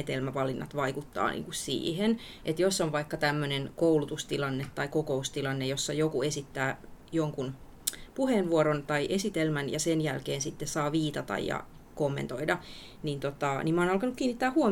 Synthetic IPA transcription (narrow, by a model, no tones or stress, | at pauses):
et̪elmæʋɑlinːɑ̰t̪ʋɑikut̪ːɑ̰ːnʔḭːŋkussḭːhenʔet̪josːonʋɑikːɑt̪æmːønenkoulut̪ust̪ilɑnːet̪ːɑikokoust̪ilɑnːejosːɑjokuesit̪ːæːjoŋkun | puheːnʋuoɾont̪ɑiʔesit̪elmænjɑsenjælkeːnsit̪ːessɑːʋiːt̪ɑt̪ɑ̰jjɑ̰ | komːḛnt̪o̞idɑ | nint̪ot̪ɑniːmɑːnɑlkɑnukːiːnːit̪ːæːhuo